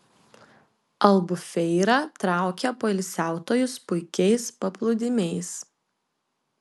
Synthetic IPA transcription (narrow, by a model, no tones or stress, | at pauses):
ɐlˠbʊfʲɛɪɾɑt̪ɾɑˑʊkʲɛpoːɪlʲsʲæˑʊt̪oːjʊspʊɪkʲɛɪspɐplˠʊd̪ʲɪmʲɛɪs